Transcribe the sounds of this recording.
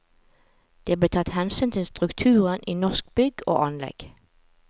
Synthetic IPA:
d̪̥eːbleːt̪ʰɑt̪hɛnsyːnt̪ʰɪlst̪ʁʉkt̪ʰʉːʁənʔiːnɔʁsk̚bʏɡo̰ːʔɑnlɛ̰ɡ̥

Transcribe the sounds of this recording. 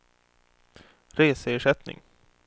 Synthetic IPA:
ɾeːsəːʂɛt̪nɪ̰ŋ

